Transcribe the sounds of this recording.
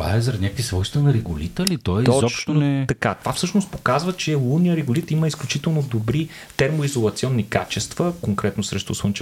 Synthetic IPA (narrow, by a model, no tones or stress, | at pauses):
va̰ɛzɐɾd̪nʲakvisvɔjst̪ənɐɾɛɡʊlit̪əlit̪ɔj̪ɔɔʃt̪oɛt̪ɐkat̪ovafsɤʃnost̪po̥kazvət͡ʃɛlˠunijəɾɛɡʊlit̪iməisklʲut͡ʃit̪ɛlˠnod̪obɾi | t̪ɛɾmoizolˠɐt̪siɔnːika̰t͡ʃɛst̪vəkoŋkɾɛt̪nosɾɛʃt̪ʊswˠənt͡ʃɛ